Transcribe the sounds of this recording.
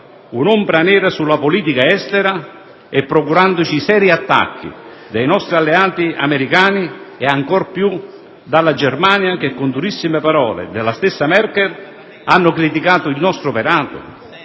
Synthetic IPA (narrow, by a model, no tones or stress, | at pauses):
unumbɾanɛːɾasulːapʊliːt̪ikaɛst̪ɛɾa | ɛpːɾɔkuɾand̪ʊt͡ʃiːsɛːɾiat̪ːa̰kːḭ | d̪ejnɔst̪ɾialːeaːt̪ia̰mɛɾikaːniɛaŋkɔrpju | d̪alːad͡ʒɛrmaːnjak̟ekːʊnd̪uɾisːimɪpaɾɔːlɪ̰d̪ɛlːast̪ɪsːamɛrkɛɾ | anːʊkɾit̪ikaːt̪ʊilnɔst̪ɾʊpɛɾaːt̪ʊ̰